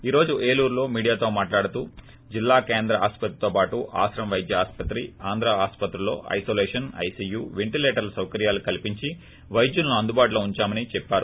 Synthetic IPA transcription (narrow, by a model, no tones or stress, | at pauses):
iːɾo̞ːd͡ʒuʔe̞ːluːɾlo̞ːmiːɽijaːt̪o̞ːmaːʈlaːɽut̪uː | d͡ʒilːaːkeːnd̪ɾɐʔaːspɐt̪ɾit̪o̞ːpaːʈuʔa̰ːsɾɐmʋɐjd̪jɐaːspɐt̪ɾiaːnd̪ɾaaːspɐt̪ɾulo̞̰ːʔɐ̰jso̞ːlɛːʂɐnɐ̰jsiːjuːʋeɳʈileːʈɐɾlɐsɐwkɐɾijaːlukɐlipiɲt͡ʃi | ʋɐjd̪junɐnuɐnd̪ubaːʈuloːuɲt͡ʃaːmɐnit͡ʃɛpːaːɾu